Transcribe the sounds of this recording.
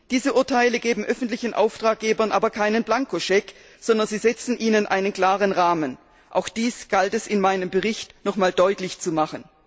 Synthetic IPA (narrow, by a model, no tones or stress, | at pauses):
d̥iːzəʔʊɐtʰaɪləɡeːbm̩ʔœfn̩tlɪçn̩ʔa̰ʊftʁ̥aːk̚ɡ̥eːbɐnʔaːbɐkʰaɪnənblaŋkoʃɛk | z̥ɔndɐnziːzɛt͡sn̩ʔiːnənʔaɪnənkl̥aːʁənʁaːmən | ʔa̰ʊxd̥iːsɡ̥altɛsɪnmaɪnəmbəʁɪçtnɔχmaːldɔʏtlɪçt͡sumaχən